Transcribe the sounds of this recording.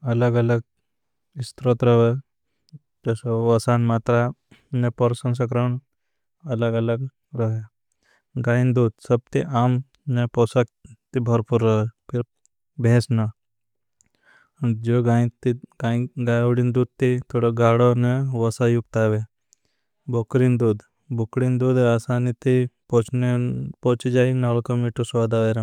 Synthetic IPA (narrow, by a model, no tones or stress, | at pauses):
ɐləɡɐləɡ̚ | ist̪ɾot̪ɾəɦe | d͡ʒɐsoʋəsanmaːt̪ɾa | nepəɾsəns̬ɐkɾan | ɐləɡɐləɡ | ɾəɦe | ɡaːind̪uːd̪səb̚t̪iʔaːm | nepɔsak̚t̪ibʱəɾpuɾːəɦepʰiɾ | beːsna | d͡ʒoɡat̪ː | ɡaːjʋɽind̪uːd̪̚t̪it̪ʰoːɽaɡaːɽoneʋɐsajuk̚t̪aːʋe | bʱokɾind̪uːd̪ | bʱokɽind̪uːd̪aːsaːnit̪ipõt͡ʃnepoːt͡ʃid͡ʒaːinaːlkomiʈoswaːd̪aʋeɾa